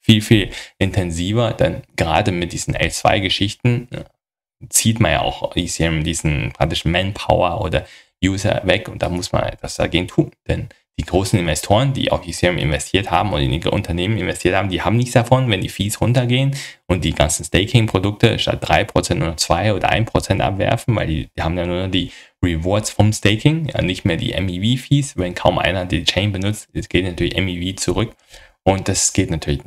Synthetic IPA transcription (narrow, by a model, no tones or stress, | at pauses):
fiːlfiːlʔɪntʰɛnziːvɐd̥a̰nɡ̥əʁa̰ːdəmɪt̚d̥iːzn̩ʔɛ̰lt͡sv̥a̰ɪɡəʃɪçtn̩ | t͡siːtmanja̰ːʔa̰ʊxisiɛmdiːzn̩pʁ̥a̰k̚tɪʃmɛnpʰa̰ʊɐʔo̰ːdɐ | juːzɐ̰vɛkʊnt̚d̥a̰ːmʊsma̰nʔɛ̰tv̥asd̥a̰ɡeːɡŋ̩tʰuːnd̥ɛn | d̥iːɡʁoːsn̩ɪnvɛstʰoːʁ̞əndḭːʔa̰ʊfjisiɛmʔɪ̰nvɛstʰiːɐthaːbm̩ʊndɪ̰nʔʊ̰ntʰɐneːmənɪnvɛstʰiɐthaːm̩diːhaːbm̩nɪçt͡sd̥afɔnvɛndiːfiːsʁʊntɐɡeːənʔʊnt̚d̥iːɡa̰nt͡sn̩stɛɪkʰɪŋpʁ̥odʊk̚təʃta̰t̚d̥ʁa̰ɪpʁ̥ot͡sɛntnuːnɔχt͡sv̥aɪʔoːdɐ̰ʔa̰ɪnpʁ̥ot͡sɛntʔa̰pv̥ɛ̰ɐfn̩vaɪldḭːhaːbm̩jaːnuːɐnɔχd̥iːʁivɔɐtsfɔmsteɪkɪŋja̰ːnɪçtmeːɐdḭːʔɛ̰miviːfiːsvɛnkʰaʊmʔa̰ɪnɐdit͡ʃʰɛɪnbənʊt͡stɛsɡ̥eːtnatʰyːɐlɪçʔɛmiviːt͡suʁʏk | ʔʊnt̚d̥asɡ̥eːtnatʰyːɐlɪç